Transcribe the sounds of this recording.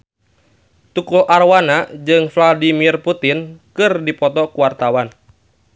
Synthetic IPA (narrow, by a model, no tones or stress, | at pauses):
t̪ukulʔarwanad͡ʒɨŋfladimirput̪inkɨrdipɔt̪ɔkuwart̪awan